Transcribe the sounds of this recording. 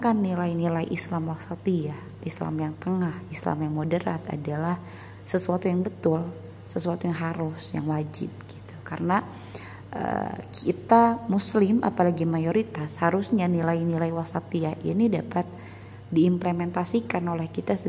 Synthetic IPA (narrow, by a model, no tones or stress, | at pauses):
kanːilainilaiʔislamwaksat̪iah | ʔisla̰mjaŋt̪əŋahisla̰mjaŋmodəɾa̰t̪a̰dalah | səsuat̪ujaŋbət̪ʊl | səsuat̪ujaŋɦaɾʊsja̰ŋwad͡ʒɪ̰p̚ɡ̥it̪u̥kaɾəna | ʔə̰kʰit̪amuslɪmʔa̰palaɡimajoɾit̪ashaɾusɲanilainilaiwasat̪iahʔḭnidapat̪̚ | diːmplemɛnt̪asikanolɛhkit̪asə